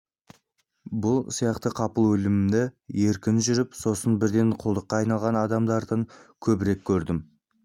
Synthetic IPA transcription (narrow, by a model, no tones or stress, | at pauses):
bʊlˠsijɑqt̪əqʰɑpəlˠwɵlɪmɪmd̪eje̞ɾkʲɪnʒʏɾɪpso̞sənbɪɾd̪e̞ɴqʰʊlˠd̪əqːɑːɑjnɑlˠʁɑnɑd̪ɑmd̪ɑɾd̪əŋkʲʰɵbɪɾe̞kʲʰːɵɾd̪ɪm